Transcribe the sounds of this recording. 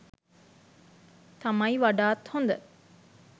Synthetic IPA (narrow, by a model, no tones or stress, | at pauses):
t̪amɐjiʋaɖaːt̪hond̪ə